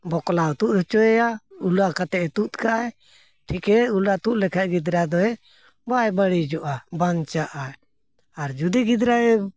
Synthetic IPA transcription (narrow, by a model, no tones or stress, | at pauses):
bɔklawt̪uʔ̪hɔt͡ʃɔɛjaulakat̪ɛʔt̪ut̪̚kaʔɛ | ʈʰikɛulat̪uʔ̪̚lɛkʰɛʔ̚ɡid̪ɾad̪ɔɛ | bajbəɽid͡ʒɔʔabant͡ʃaʔa | aɾd͡ʒud̪iɡid̪ɾaɛ